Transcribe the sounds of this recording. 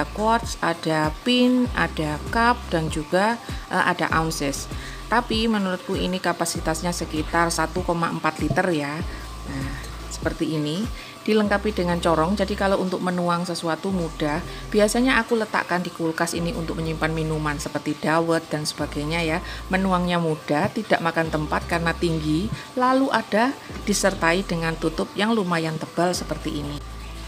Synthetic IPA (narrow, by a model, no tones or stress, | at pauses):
akɔt̪̚sad̥apɪnʔa̰d̥akap̚d̥and͡ʒuɡ̥aʔəʔa̰daʔaunsɪs | t̪apimənuɾʊt̪̚kuinikapasit̪asɲasəkit̪arsat̪ukomaəmpat̪lit̪ərja | na | sə̥pərt̪iːni | d̥iləŋkapidəŋant͡ʃɔɾɔŋd͡ʒadikaloʔunt̪ʊk̚mənuaŋsəsuat̪umud̥ah | b̥iasaɲaʔakulət̪a̰ʔkandikulkasiniṵnt̪ʊk̚məɲimpanminumansəpərt̪id̥awət̪̚d̥ansəb̥aɡ̥ajɲajamənuaŋɲamud̥aht̪id̥aʔmakant̪əmpat̪̚karənat̪iŋɡi | laluʔad̥ad̥isərt̪aid̥əŋant̪ut̪ʊp̚jaŋlumajant̪əb̥alsəpərt̪iːni